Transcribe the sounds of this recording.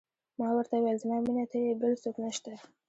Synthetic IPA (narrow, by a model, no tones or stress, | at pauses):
mɑwəɾt̪awelzmɑminat̪ʰəjebəlsoknəʃt̪a